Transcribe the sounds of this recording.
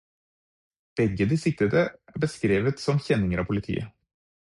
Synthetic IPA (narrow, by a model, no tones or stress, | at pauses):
b̥ɛɡəd̪iːsɪt̪əd̪əæbəskɾeːʋət̪sɔmçɛnɪŋəɾɑːpʰʊlɪt̪ʰḭːə̰